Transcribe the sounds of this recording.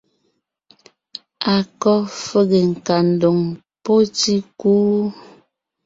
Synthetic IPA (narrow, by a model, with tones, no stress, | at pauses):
a˨kɔ˦fə˦ɣe˨ŋ̩˨ka˨n̩˨do˨ŋ | po˦ti˦kuː˦